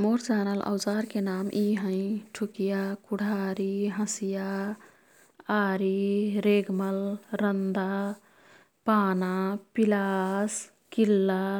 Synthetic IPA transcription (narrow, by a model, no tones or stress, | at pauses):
moɾt͡ʃaːnəlʔa̰wd͡ʒaːɾkenamʔiɦə̃ɪ̃ʈʰukijakuɽ̤ʱaːɾiɦə̃sija | aːɾiɾeɡməlɾənd̪a | paːnapilas | kilːa